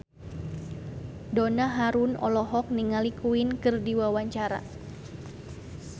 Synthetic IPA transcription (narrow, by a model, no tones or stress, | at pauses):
donaɦaɾunɔ̰lɔɦɔk̚niŋalikuinkɨrdiwawaɲt͡ʃaɾa̰